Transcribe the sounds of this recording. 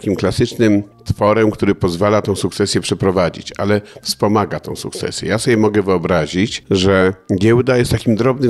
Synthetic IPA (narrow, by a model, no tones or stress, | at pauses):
kʲimklasɘt͡ʂnɘm | t̪fɔɾɛmkt̪uɾɘpɔzvalat̪ɔ̃w̃suk̚t̪sɛsʲjɛpʂɛpɾɔvad͡ʑḭt͡ɕa̰lɛfspɔmaɡat̪ɔ̰̃w̃sṵk̚t̪sɛ̰sʲjɛ̰jasɔbʲjɛmɔɡɛvɘɔbɾaʑit͡ɕʐɛɡʲɛwd̪ajɛst̪t̪ːakʲimd̪ɾɔbnɘ